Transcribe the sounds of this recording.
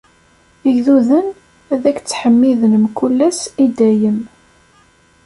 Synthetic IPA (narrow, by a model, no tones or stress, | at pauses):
əʝðuðən | æðækt͡sːħəmːiðənəmkulːæsid̪æjəm